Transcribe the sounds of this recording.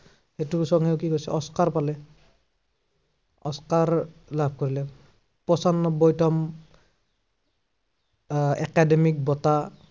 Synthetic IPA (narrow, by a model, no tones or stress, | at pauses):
xetusɔŋeʊkikojsɛɔskaɹpalɛ | ɔskaɹlabʱkoɹilɛ | pɔsanːɔbɔjtɔm | ɛ̰kademik̚bɔta